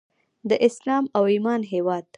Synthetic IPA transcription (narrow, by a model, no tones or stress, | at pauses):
d̪əʔɪslɑmawimɑnɦewɑd̪